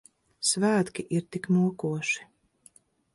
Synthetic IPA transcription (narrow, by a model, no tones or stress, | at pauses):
svæːt̪kʲiʔiɾt̪iknuɔkuɔʃi̥